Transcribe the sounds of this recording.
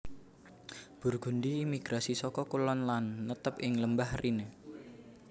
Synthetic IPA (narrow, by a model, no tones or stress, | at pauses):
b̥ṳrɡ̥ṳndiːmiɡ̥ɾasisɔkɔkulɔnlanːət̪əp̚ɪŋləmbahrʔine